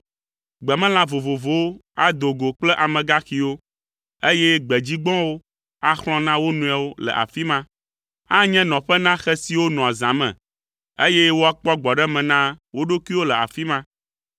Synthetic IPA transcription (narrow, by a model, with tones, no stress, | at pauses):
ɡ͡bɛ˨mɛ̃˦lã˦vo˨vo˨vo˦wo˦a˦d̪o˨ɡo˨k͡plɛ˦ʔa˨mɛ̃˨ɡa˦xi˨wo˦ | e˦jɛ˦ɡ͡bɛ˨d͡ʑi˦ɡ͡bɔ̃˦wo˦ | a˦xl̃ɔ̃˦nã˦wo˦nũ˨a˨wo˦lɛ̰˨ʔa̰˨fi˦mã˦ | a˦ɲɛ̃˦nɔ̃˨ɸɛ˦nã˦xɛ˦si˨wo˦nɔ̃˨a˨zã˨mɛ̰̃˨ | e˦jɛ˦wo˦a˦k͡pɔ˦ɡ͡bɔ˨ɖɛ˦mɛ̃˨nã˦wo˦ɖo˦ki˦wo˦lɛ˨a̰˨fi˦mã˦